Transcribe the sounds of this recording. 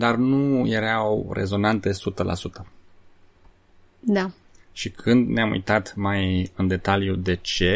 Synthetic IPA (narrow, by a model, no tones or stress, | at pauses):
d̪arnujeɾawre̞̰zo̞nant̪̚esut̪əlʔa̰sut̪ə | d̪a | ʃikʰɨnd̪neamṵjt̪at̪majɨnd̪e̞t̪aljud̪e̞t͡ʃe̞